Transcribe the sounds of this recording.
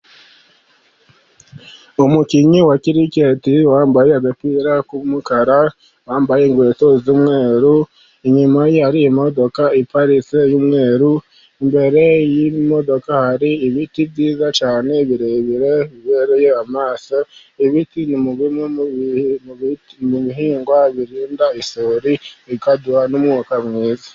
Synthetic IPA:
omukiɲiwakiɾicetiwaːmbajeaɡapwiːɾakumukaɾa | waːmbajeːŋɡwe̞ːto̞zumŋe̞ːɾu | iɲumajhaɾiimo̞do̞kaipaɾit͡sejumŋe̞ːɾu | imbe̞ɾe̞jimo̞do̞kahaɾiːβitiβɟiːzat͡ʃaːne̞βiɾeβiɾe̞βiβeɾejeamaːso | iβitinimuβim | muβiɦiːŋɡwaβiɾiːndaisoɾiikaduanumŋukamŋeːza

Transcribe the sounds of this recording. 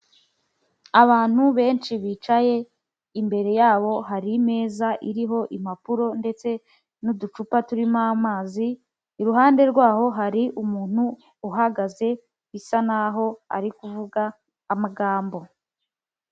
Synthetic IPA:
aβaːn̥huβe̞ːnt͡ʃiβit͡ʃaje̞ | imbe̞ɾe̞jaːβo̞ɦaɾime̞ːzaʔiɾiɦo̞ʔimapuɾo̞nde̞t͡se̞ | nudut͡ʃupatuɾimamaːziː | ɾuɦaːnde̞ɾɡwaːɦo̞ɦaɾiʔumuːn̥uː | ɦaɡaze̞ | isanaɦo̞a̰ɾikuvuɡaː | maɡaːmbo̞

